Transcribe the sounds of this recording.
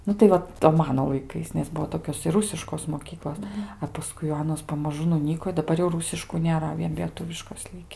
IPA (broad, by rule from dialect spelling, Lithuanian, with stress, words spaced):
ˈnʊ tɐɪ ˈʋɐ toː ˈmɑːnoː lˠɐɪˈkɐɪs nʲɛs ˈbuɔ ˈtoːkʲoːs ɪr ˈrʊsʲɪʃkoːs moːˈkʲiːklˠoːs ɐ pɐˈskʊɪ jɛʊ ˈɑːnoːs pɐmɐˈʒʊ nʊˈnʲiːkoː ɪ dɐˈbɐr jɛʊ ˈruːsʲɪʃkuː nʲeːˈrɐ ˈʋʲiɛn lʲiɛˈtʊʋʲɪʃkoːs ˈlʲɪkʲɪ